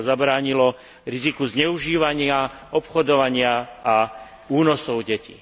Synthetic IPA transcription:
zabɾaːɲilɔ | ɾizikuzɲɛuʒiːʋaɲɪaɔpxɔd̪ɔʋaɲɪaa | uːnɔsɔʊɟɛcḭ

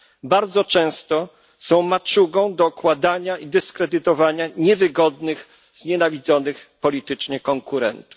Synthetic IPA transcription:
baɾd̪zɔt͡ʂɛ̃w̃st̪ɔ | sɔ̃w̃mat͡ʂuɡɔ̃w̃d̪ɔukwad̪aɲaid̪ɛskɾɛd̪ɘt̪ɔvaɲaɲɛvɘɡɔd̪nɘɣ | zɲɛnavʲid̪zɔnɘxpɔlʲit̪ɘt͡ʂɲɛkɔŋkuɾɛ̰nt̪u̥f

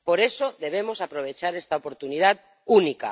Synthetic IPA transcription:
poɾesoðeβ̞emosapɾoβ̞et͡ʃaɾest̪aopoɾt̪uniðat̪ | unika̰

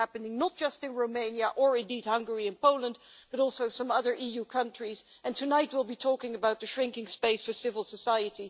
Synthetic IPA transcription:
æpɨnɪ̃ŋnət̚d̥ʒ̥ʌstɨ̃nɹoʊmẽɪ̃njəʔə˞ɪ̃ndid̚hʌ̃ŋɡə˞iɨ̃npʰoʊlˠə̃ndb̥ʌɾɔˑlˠsoʊsʌ̃mʌðə˞ʔijukʰʌ̃nt͡ʃɹ̥izɨ̃ntʰɨnaɪt̚wɪlˠbitʰɔkɪ̃ŋɨbaʊt̪̚ðɨʃɹɪ̃ŋkɪ̃ŋspeɪsfə˞sɪvəl̩ˠsəsaɪɨɾi

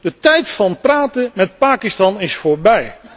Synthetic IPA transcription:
d̥ətɛjtfɑnpraːtəmɛt̚paːkɪstɑnɪsfoːɹbɛj

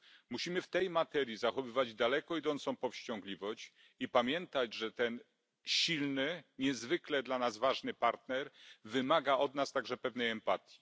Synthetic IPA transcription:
muɕimɘft̪ɛjmat̪ɛɾʲjizaxɔvɘvad͡ʑd̪alɛkɔid̪ɔnt̪sɔ̃w̃pɔfɕt͡ɕɔŋɡlʲivɔɕt͡ɕ | ipamʲjɛnt̪ad͡ʑʐɛt̪ɛn | ɕilnɘɲɛzvɘklɛd̪lanazvaʐnɘpaɾt̪nɛɾvɘmaɡaɔd̪nast̪aɡʐɛpɛvnɛjɛmpat̪ʲji̥

